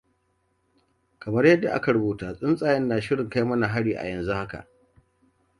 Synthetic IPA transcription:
kɐ˨mɐ˦rjɐ˦dːa˨ʔa̰˦ka˨ɽʊ˦buː˦˨taː˨sʼɪ˦nsʼaː˨jɛ˦nːaː˨ʃɪ˦ɽɪ˨ŋka˦jmɐ˦na˨ɦa˦ɽiː˨ʔa̰˨jɐ˨nzu˦ha˦ka̰˨ʔ

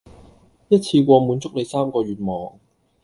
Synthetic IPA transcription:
jɐ˥t̚t͡sʰiː˧kʷɔː˧muː˨˧nt͡sʊ˥k̚le˨˧jsaː˥mkɔː˧ɥyː˨˩t̚mɔː˨ŋ

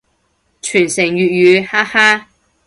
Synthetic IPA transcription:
t͡ʃʰyː˨˩nsɪ˨˩ŋjyː˨t̚jyː˨˧haː˥haː˥

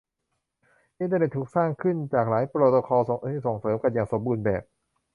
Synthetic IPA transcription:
ʔi˧nt̪aə˧ne˨˩t̪ʰːuː˨˩k̚saː˥˩ŋkʰɯ˥˩nt͡ɕaː˨˩k̚laː˩˦jpɾoː˨˧˩t̪o˧kʰɔː˧iː˥˩so˨˩ŋsɤː˩˦mka˧njaː˨˩ŋso˩˦mbuː˧nbɛ̰ː˨˩p̚

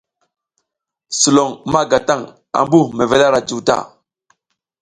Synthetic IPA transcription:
su˨lo˨ŋma˦ɡa˨ta˦ŋ | a̰˨mbu˦˨me˨ve˨la˦ɾa˨d͡ʒu˨ta̰˦˨

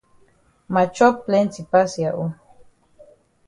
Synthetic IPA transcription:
ma˨t͡ʃɔ˦ple˦nt͡sipa˦sjaʔu˦

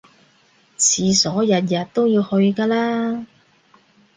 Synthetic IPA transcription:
t͡sʰiː˨sɔː˨˥jɐ˨t̚jɐ˨t̚t̪o˥wjiː˧whɵ˧ɥkaː˧laː˥

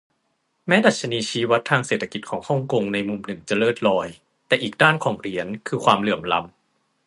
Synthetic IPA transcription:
mɛː˦˥da˨˩t̪̚t͡ɕʰa˧niː˧t͡ɕʰiː˦˥wa˦˥t̪ʰːaː˧ŋseː˨˩t̪ʰːa˧ki˨˩t̪̚kʰɔː˩˦ŋhɔ˥˩ŋko˧ŋna˧jmu˧mnɯ˨˩ŋt͡ɕa˨˩lɤː˥˩t̪̚lɔː˧j | t̪ɛː˨˩ʔiː˨˩k̚daː˥˩nkʰɔː˩˦ŋɾi˩˦ənkʰɯː˧kʰwaː˧mlɯ˨˩əmla̰˧m

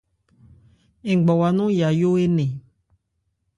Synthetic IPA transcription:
e˨ɡ͡bɔ˨wa˨nũ˦ja˨jo˦e˦nẽ˨

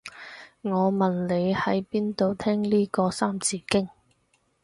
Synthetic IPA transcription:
ŋɔː˨˧mɐ˨˩nle˨˧jhɐ˨˥jpiː˥nt̪o˨˧wt̪ʰɛː˥ŋliː˥kɔː˧saː˥mt͡siː˧kɪ˥ŋ

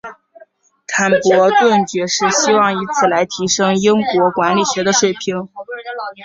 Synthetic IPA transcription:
t̪ʰa˧˥npwɔ˧˥t̪wə˥˩nt͡ɕɥɛ˧˥ʂɻ̩˥˩ɕi˥wɑ˥˩ŋi˧˥t͡sʰɹ̩˥˩la˧˥ɪt̪ʰi˧˥ʂɤ˥ŋi˥ŋkwɔ˧˥kwa˧˥nli˨˩ɕɥɛ˧˥d̪ə˧ʂwe˥˩ɪpʰi˧˥ŋ

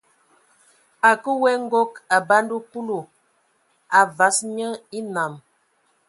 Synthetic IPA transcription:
a˨kə˦wɛ˦ŋ̩˦ɡo˦ka˨ba˦ndu˦pu˦lo˨ | a˨va˨˦sɲə˦i˦na˨m

